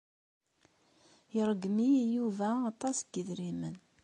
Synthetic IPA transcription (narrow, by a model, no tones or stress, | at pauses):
əɾˤəɡmijuvæɑt̪ˤɑsɡəðɾimən